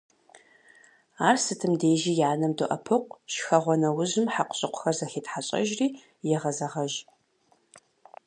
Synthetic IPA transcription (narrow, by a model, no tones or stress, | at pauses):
aːrsɨtʰɨmdeːʒiːjaːnɐmdɨʔɐpʰɨqʷʃxɐʁʷɔnɐwʊʑɪmħaqʷɕʼɪqʷʊ̥xɐrzɐxeːtħaɕʼɐ̰ʒriː | jɛʁɐzɐʁɐʒ